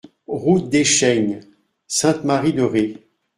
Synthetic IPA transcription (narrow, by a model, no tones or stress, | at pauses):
ʁut̪̚d̪eʃɛɲ | sɛ̃t̪maʁid̪əʁe